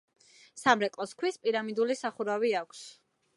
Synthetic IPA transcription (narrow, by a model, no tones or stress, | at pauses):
samɾɛkʼlɔskʰwispʼiɾamid̪ulisaχuɾaviakʷʰs